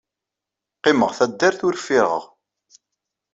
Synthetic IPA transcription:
qːɪməʁθæd̪ːæɾθʊɾfiɾʁə̰ʁ

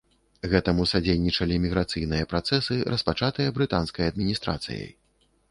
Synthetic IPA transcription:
ɣɛt̪ɐmusad͡zʲejnʲit͡ʂɐlʲimʲiɣɾat̪sɨjnɨjɐpɾat̪sɛsɨɾɐspat͡ʂat̪ɨjɐbɾɨt̪anskɐjɐd̪̚mʲinʲist̪ɾa̰t̪sɨ̰jɐ̰j

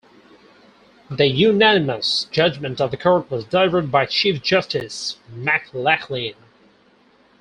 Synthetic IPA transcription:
ðɨjʉnænɨməsd̥d͡ʒ̥ʌd͡ʒmɨ̃ntʌvðɨkʰɔɹt̚wʌzdəlɪvə˞d̚baɪt͡ʃʰifd̥d͡ʒ̥ʌstɪsmæklækʰlĩn

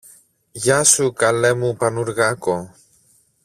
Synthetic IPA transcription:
jasukalemupanuɾɣako

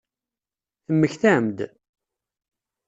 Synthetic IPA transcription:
θəmːəçθæmd̪

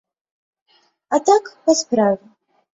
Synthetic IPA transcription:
at̪akpaspɾavɪ

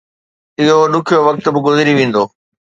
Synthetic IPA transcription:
ɪɦoɗʊkʰijoʋɐk̚t̪̆bɪɡʊzɪɾiʋẽːn̆d̪oː

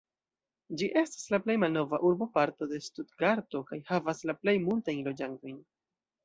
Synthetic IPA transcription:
d͡ʒiʔe̞stḁslaple̞jmalno̞vaʔuɾbo̞paɾto̞de̞studɡaɾto̞kajhavaslaple̞jmultajnlo̞d͡ʒanto̞jn

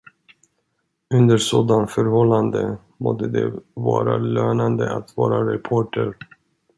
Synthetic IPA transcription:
ɵnd̪əɾʂoːd̪anfœɾhɔlːand̪ə | mɔd̪əd̪ɛvɑːɾaløːnand̪əat̪vɑːɾaɾɛpʰoːʈʰəɾ

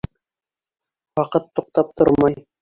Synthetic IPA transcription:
wɑqɤt̪ːoq̚t̪ɑp̚t̪o̰ɾmɑj

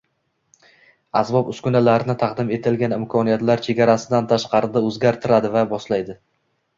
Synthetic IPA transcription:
asbɒpʊskʊnalaɾɪnɪt̪ʰɑqd̪ɪme̞t̪ʰɪlɡʲanɪmkʰɒnijat̪laɾt͡ʃʰeɡʲaɾasɪd̪ant̪ʰaʃqɑɾɪd̪aɵzɡʲaɾt̪ʰɪɾad̪ɪvabɒslajd̪ɪ

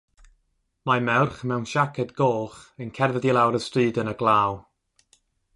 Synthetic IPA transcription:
mamɛwrχmɛwnʃakʰɛdɡoːχənkʰɛrðədilˠawɾəstriːdənəɡlˠaːw

